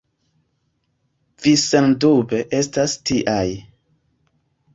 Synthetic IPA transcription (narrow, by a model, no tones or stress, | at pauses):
visendube̞ʔe̞stastiʔaj